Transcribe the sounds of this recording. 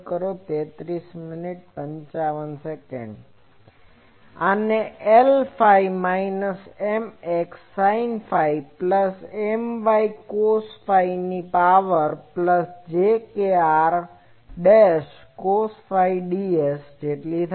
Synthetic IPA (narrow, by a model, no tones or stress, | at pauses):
kəɾot̪et̪ɾismɪniʈ̚pəɲt͡ʃaʋənsekɛ̰ɳɖ | aneʔelfajmainəsemeksːainfajpləsemʋaikosfainipaʋəɾpləsd͡ʒekeaɾ | ɖeʃkosfaijɖiesd͡ʒeʈlit̪ʰ